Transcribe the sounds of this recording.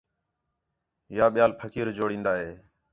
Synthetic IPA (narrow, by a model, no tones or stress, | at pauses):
jaːɓɪjaːlpʰəkʰiːɾd͡ʒoːɽĩːnd̪aːɦeː